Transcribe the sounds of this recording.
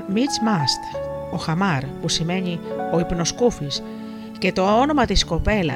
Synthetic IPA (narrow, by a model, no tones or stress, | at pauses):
mit͡smɐst̪o̞xɐmɐɾpusime̞ɲio̞ipno̞skufis | ce̞t̪o̞o̞no̞mɐt̪isko̞pe̞lɐ̰